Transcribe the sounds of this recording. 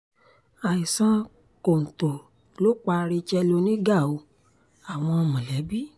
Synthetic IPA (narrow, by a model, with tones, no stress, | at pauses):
a˨i˨sã˧˦ | ko˨n̩˨to˨ | lo˦k͡pa˧ɾi˧t͡ʃɛ˧lo˧˦nĩ˦ɡa˦˨o˨˧˦ | a˨w̃ɔ̃˧ɔ˧mũ˨lɛ˨˦bi˦